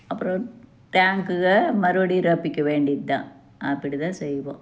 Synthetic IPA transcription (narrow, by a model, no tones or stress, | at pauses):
ɐpːɯɾõ | ʈaːŋkɯɣɐmɐɾɯɐɽiɾɐːpːɪkːɐʋeːɳɖɪðɯt̪ã̰ː | ʔɐpːɪɽit̪ãːsɛjːʋõ̰ː